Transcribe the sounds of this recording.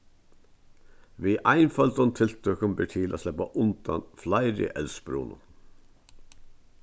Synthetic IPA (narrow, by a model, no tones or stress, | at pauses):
ʋiːʔaɪnfɑlt̪ɔnt̪ʰɪlt̪ʰœkəmbɛːʈʰɪːlʔa̰ːslɛpaʔʊnt̪anflaɪɾɪ̰ʔɛlsbɾṵːnʊ̰